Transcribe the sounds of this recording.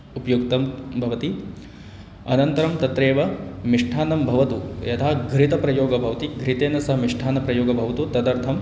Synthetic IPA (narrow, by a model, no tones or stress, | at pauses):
upɐjukt̪ɐmbʱɐʋɐt̪i | ɐ̰nɐnt̪ɐɾɐmt̪ɐt̪ɾeːʋɐmiʂʈʰaːnɐmbʱɐʋɐt̪ujɐt̪ʰaːɡɾit̪ɐpɾɐjoːɡɐbʱɐʋɐt̪iɡʱɾit̪eːnɐsɐɦɐmiʂʈʰaːnɐpɾɐjoːɡɐbʱɐʋɐt̪ut̪ɐd̪ɐɾt̪ʰɐm